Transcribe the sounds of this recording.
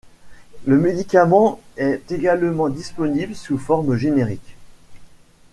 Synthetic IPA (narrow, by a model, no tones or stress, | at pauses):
ləmed̪ikamɑ̃ɛt̪eɡalmɑ̃d̪ispɔniblsufɔʁmʒeneʁik